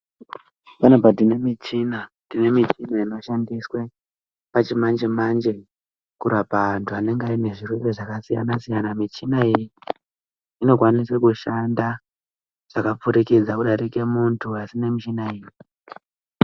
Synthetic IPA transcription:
panopatine̞mit͡ʃina | tine̞mit͡ʃinainoʃandiswe̞ | pat͡ʃimand͡ʒemand͡ʒe̞ | kuɾapaʋantʰuane̞ŋɡaine̞ʐirwereʐakasija̰nasijanamit͡ʃinaiji | ino̞kwaniswekuʃanda | ʐ̥akap͡fuɾeked͡zakuɗaɾeke̞muntʰuasine̞mit͡ʃinaiːji

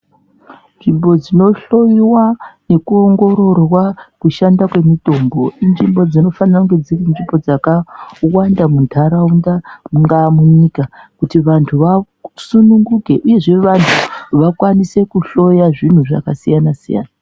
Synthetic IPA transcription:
nʐimbo̞d͡zino̞ɬo̞jiwane̞kuoŋɡo̞ɾo̞rwakuʃandakwe̞mito̞mbo̞inʐimbo̞d͡zino̞fanaŋɡed͡zirenʐipo̞d͡zakawandamundʰʱaɾaundamuŋɡamuɲikakutiʋantʰuʋa | sunuŋɡuke̞ʔuje̞ʐe̞ʋantʰuʋakwanise̞kuɬo̞jaʐin̤uʐa̰kasijanasija̰ːna

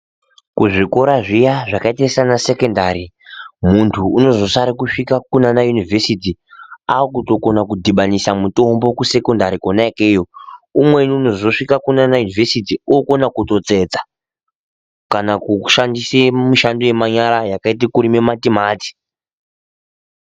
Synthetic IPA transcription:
kuʐiko̞ɾaʐijaʐakaitesanase̞ko̞ndaɾi | muntʰuːno̞zo̞saɾikuʂikakunanajunivʱe̞sitiakuto̞ko̞nakudʱiɓanisamuto̞mbo̞kuse̞ko̞ndaɾikonaekejo̞umwe̞niːno̞zo̞ʂikakunanajunivʱesitiuoko̞nakuto̞t͡se̞ːd͡za | kanakuʃandisemuʃandoje̞maɲaɾajakaitikuɾimematimaːti̥

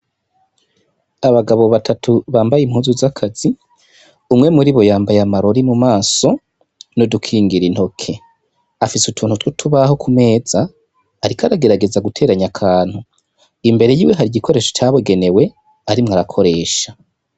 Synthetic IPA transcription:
aβaɡaβo̞βatʰatʰuβaːmbajim̥huːzuzakʰaz̥i | umŋe̞muɾiβo̞jaːmbajamaɾo̞ɾimumaːso̞ | nodukʰiːŋɡiɾin̥ho̞kʰe̞ | afisutʰuːnhutwotʰuβaɦo̞kʰume̞ːzaː | ɾikʰaɾaɡe̞ɾaɡe̞zaɡutʰe̞ːɾaɲakʰaːn̥hu | imbe̞ɾe̞jiːwe̞ɦaɾiɟikʰo̞ɾe̞ːʃot͡ʃaβoɡe̞ne̞we̞ | aɾimŋaɾakʰo̞ɾe̞ːʃa

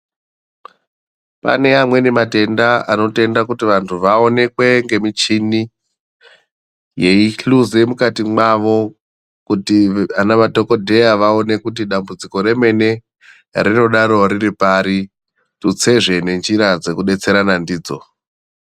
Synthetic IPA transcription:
pa̰ne̞amwe̞nemate̞ndaano̞te̞ndakutiʋantʰuʋaone̞kwe̞ŋɡe̞mit͡ʃini | jeiɬuzemukatimwaʋo̞ | kutianaʋadʱo̞ko̞dʱe̞jaʋaone̞kut̬iɗambud͡ziko̞ɾe̞me̞ne̞ | rino̞ɗaɾoɾiɾipaɾi | tut͡se̞ʐe̞ne̞nd͡ʒiɾad͡ze̞kuɗe̞t͡se̞ɾanandiːd͡zo̞̰

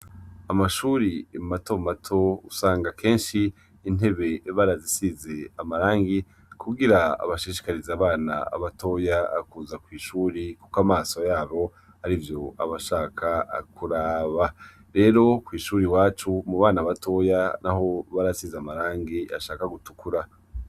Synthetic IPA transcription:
amaʃuːɾiemato̞matʰo̞usaːŋɡakʰe̞ːnʃiː | n̥e̞βe̞βaɾazisize̞amaɾaːŋɡi | kʰuɡiɾaa̰βaʃiʃi̥kaɾizaːβaːna̰a̰βatʰo̞jaa̰kuːzakwiːʃuːɾikukamaːso̞jaːβo̞ | haɾivjo̞a̰βaʃaːkʰakʰuɾaːβa | ɾe̞ːɾo̞kwiːʃuːɾiwaːt͡ʃumuβaːnaβato̞janaho̞βaɾasizeamaɾaːŋɡiʔa̰ʃaːkaɡutu̥kuɾa

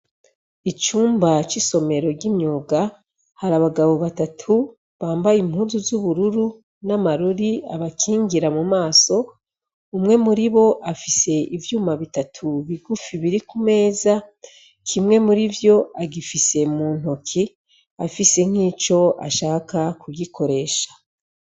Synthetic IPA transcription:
it͡ʃuːmbat͡ʃiso̞me̞ɾo̞ɡimɲoːɡa | haɾaβaɡaβo̞βatatʰu | βaːmbajim̥huːzuzuβuɾuɾu | namaɾuɾiaβakʰiːŋɡiɾamumaːso̞ | umŋe̞muɾiβo̞ʔafise̞ʔivjuːmaβitatʰuβiɡufiβiɾikume̞ːza | kʰimŋe̞muɾivjo̞aɡifise̞muːn̥okʰi | afise̞ŋ̥iːt͡ʃo̞a̰ʃaːkakuɡikʰo̞ɾe̞ːʃḁ

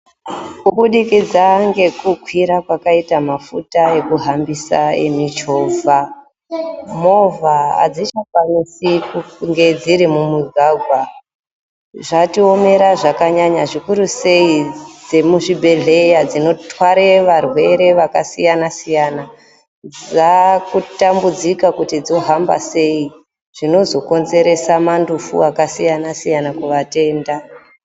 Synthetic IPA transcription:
kuɓuɗikid͡zaŋɡe̞kuɡʱwiɾakwakaitamafutae̞kuɦambisa̰ḛmit͡ʃo̞vʱa | mo̞vʱaa̰d͡zit͡ʃakwanisikuŋɡe̞d͡ziɾimumuɡʱaɡʱwa | ʐatio̞me̞ɾaʐakaɲaɲaʐikuɾuse̞id͡ze̞muʐibʱe̞ɮe̞jad͡zino̞twaɾeʋarwe̞ɾe̞ʋakasijanasijana | d͡zakutambud͡zikakutid͡zo̞ɦamba̰se̞i | ʐ̥ino̞zo̞ko̞nze̞ɾe̞samandufṵakasijanasijanakuʋate̞ːnda

